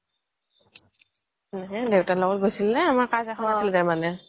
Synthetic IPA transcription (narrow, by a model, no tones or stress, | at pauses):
nɛɦɛ̃dewtalɔɡɔt̚ɡojsilnɛamaɹkazɛkʰɔnasildaɹmanɛ